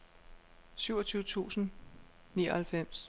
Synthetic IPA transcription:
syʊɐt͡sʰyːʊət͡sʰṵːsn̩ | niːɐhælfem̰s

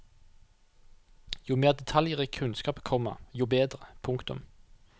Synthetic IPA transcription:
juːmeːʁd̪ɛt̪ʰɑljəʁikʰʉnskɑːpkʰɔmə̰ʁjuːbeːd̪ʁəpʰʊŋkt̪ʊ̰m

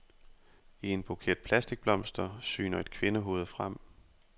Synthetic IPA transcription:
ie̝nb̥okʰe̝̰ɐ̰d̥̚pʰlæsd̥iɡ̥̚b̥lɒ̽m̰sd̥ɐsy̰ːnɐe̝d̥kʰʋe̝nəɦo̝ːð̞̩ˠfʁam̰

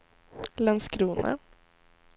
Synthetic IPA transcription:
lɛnskɾuːnʔə̰

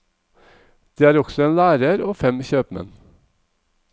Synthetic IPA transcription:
d̪̥iːæːɾɔɡ̥sɔeːnlæːɾəɾoːfɛmçøːpmɛ̰n

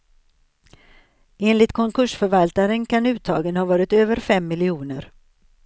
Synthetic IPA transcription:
eːnlɪt̪kʰɔŋkʰɵʂfœɾvalt̪aɾənkʰanʉ̟ːt̪ʰɑ̰ːɡənhɑːvɑːɾɪt̪øːvəɾfɛmːɪlɪuːnəɾ

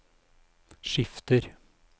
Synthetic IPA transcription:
ʃɪft̪əɾ

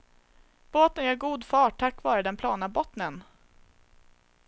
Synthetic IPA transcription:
b̥oːt̪ənjœːɾɡuːd̪fɑːʈʰːakːvɑːɾəd̪ɛnpʰlɑːnabɔt̪nən

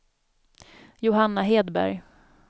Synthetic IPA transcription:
jʊɦanːaɦeːd̪bæ̰ɾj

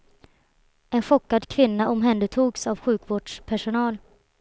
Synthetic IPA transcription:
ɛnɧɔkːad̪kʰvɪnːaʔɔmɦɛnd̪ət̪ʰuːɡsavɧʉ̟ːkvoːɖʂpʰæʂʊnɑːl

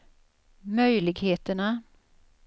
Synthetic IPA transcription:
mœjlɪɡheːt̪əɳa

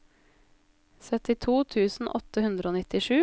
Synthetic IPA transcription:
sœt̪ɪt̪ʰuːt̪ʰʉːsn̩ʔɔ̰t̪əhʉnd̪ɾəoːnɪt̪ɪʂʉː

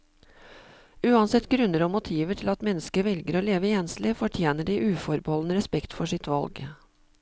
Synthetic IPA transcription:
ʉːɑnsɛt̪ːɡɾʉnːəɾɔmʊt̪ʰiːʋəʈʰɪlɑt̪mɛnːəskəʋɛlɡəɾoːleːʋəjɛnslɪfɔʈʰjeːnəɖiʔʉːfɔɾbəhɔlnəɾɛspɛkt̪fɔʂɪt̪ʋɑ̰lɡ

